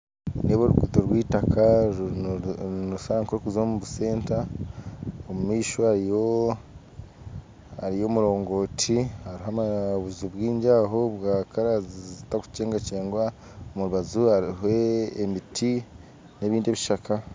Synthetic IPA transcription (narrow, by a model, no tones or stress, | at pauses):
neβoɾṵkutoɾwiːtakʰa | nuusaaŋkoɾukuzomuβuse̞ːnta | omumiːʃohaɾijo̞ | aɾijo̞ːmuɾo̞ːŋɡo̞ːtʰihaɾiɦamaβuzubwiːɲɟaːɦobwaːkaɾazizitaku̥ceːŋɡaceːŋɡwa | omuɾuβazuhaɾiɦe̞ːmitʰi | neβiːndeβiʃakʰa